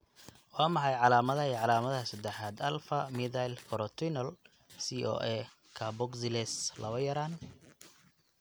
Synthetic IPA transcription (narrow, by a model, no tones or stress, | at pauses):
wɑːmɑħɑjʕɑlaːmɐðɐiʕɑlaːmɐðɐhɐsɐd̪ɛħaːd̪ɐlfɐmɪðajlkʰɔɾɔt̪ʰinɐl | siʔɔ̰ːʔɛ | kʰabɔɡsɪlɛslɐwɐjɐɾaːn